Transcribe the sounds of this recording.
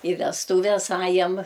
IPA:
ɪ ʋʲɛsˈtuːʋʲɛs ˈɑːjɛm

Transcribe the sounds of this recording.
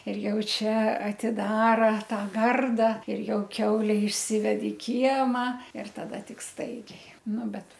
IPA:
ɪr ˈjɛʊ ˈt͡ʃʲɛ ɐtʲɪˈdɑːrɐ ˈtɑː ˈɡɐrdɐ ɪr ˈjɛʊ ˈkʲɛʊlʲɛ ɪʃʲˈsʲɪʋʲɛt ɪ ˈkʲiɛmɐ ɪr tɐˈdɐ ˈtʲɪk ˈstɐɪɡʲɛɪ ˈnʊ ˈbʲɛt

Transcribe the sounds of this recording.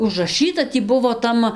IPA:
ʊʒrɐˈʃɨtɐ ˈtʲiː ˈbʊʋoː ˈtɐm

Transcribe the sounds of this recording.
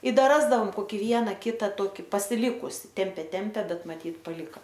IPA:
ɪ ˈdɐ ˈrɑːzdɐoːm koːˈkʲɪ ˈʋʲiɛnɐ ˈkʲɪtɐ ˈtoːkʲɪ pɐsʲɪˈlʲɪkʊsʲɪ ˈtʲɛmʲpʲeː ˈtʲɛmʲpʲeː ˈbʲɛt mɐˈtʲiːt pɐˈlʲɪkɐ

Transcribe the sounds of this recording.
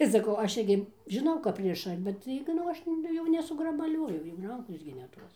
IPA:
ɪr sɐˈkɐʊ ˈɐʃ ˈɪrʲɡʲɪ ʒʲɪˈnɐʊ kɐp ˈrʲɪʃɐ bʲɛt ˈtɐɪɡʲɪ nʊ ˈɐʃ jɛʊ nʲɛsʊɡrɐbɐˈlʲoːjʊ jɛʊ ˈrɐŋkoːs ɡʲɪ nʲɛ ˈtoːs

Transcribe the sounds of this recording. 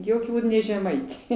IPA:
ˈjoːkʲʊ ˈbuːt nʲɛ ʒʲɛˈmɐɪtʲeː

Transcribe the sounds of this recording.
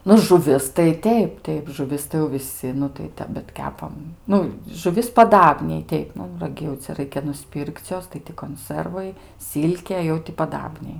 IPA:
ˈnʊ ʒʊˈʋʲɪs tɐɪ ˈtʲɛɪp ˈtʲɛɪp ʒʊˈʋʲɪs tɐɪ jɛʊ ʋʲɪˈsʲɪ nʊ tɐɪ ˈtʲɛp bʲɛt ˈkʲæːpɐm ˈnʊ ʒʊˈʋʲɪs pɐˈdɑːbʲnʲɛɪ ˈtʲɛɪp ˈnʊ rɐˈɡʲɪ jɛʊ ˈt͡sʲɛ ˈrɐɪkʲɛ nʊˈsʲpʲɪrʲkʲt͡sʲ ˈjoːs tɐɪ tʲɪ koːnˈsərʋɐɪ ˈsʲɪlʲkʲeː jɛʊ tʲɪ pɐˈdɑːbʲnʲɛɪ

